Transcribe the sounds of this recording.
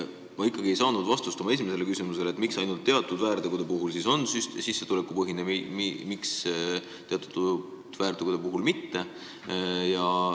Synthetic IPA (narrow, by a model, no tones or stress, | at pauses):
mɑikːˑɑɡ̥ie̞jsɑːnud̪̥vɑst̪ust̪omɑe̞s̬ʲimese̞le̞kysimuse̞let̪ˑmiksɑjnult̪ːe̞ɑt̪ːˑud̪̥væːɾd̪eɡud̪e̞puɦulsiso̞nsyssisːe̞t̪ule̞kːˑupɤɦinemimimiks | t̪e̞ɑt̪ːˑu̥d̪ | d̪̥væːɾd̪eɡ̥ud̪epuɦulmit̪ːe̞ | jɑ